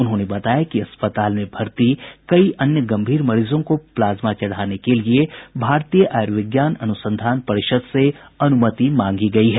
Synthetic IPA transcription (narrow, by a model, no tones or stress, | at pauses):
ʊnɦõːnebɐt̪aːjakiɐspət̪aːlmẽbʱɐɾt̪ikɐiʔɐnjəɡɐ̃mbʱiːɾmɐɾiːzõkoplaːzmat͡ʃɐɽ̤aːnekeliebʱaːɾt̪ijəʔaːɾʋɪɡjaːnɐnʊsə̃nd̪ʱaːnpɐɾɪʃəd̪seɐnʊmət̪imãːŋɡiɡɐiɦɛː